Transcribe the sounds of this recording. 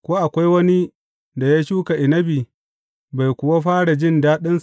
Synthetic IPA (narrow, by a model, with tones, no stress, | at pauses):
kʷoː˦ʔa˨kʷa˦jwɐ˦ni˦ | da˨jaː˦ʃuː˦ka˨ʔɪ˨nɐ˦bi˨ | ba˨jkʷʊ˨wa˦ɸaː˦ɽa˨d͡ʒɪ˦ndaː˦ɗɪ˦ns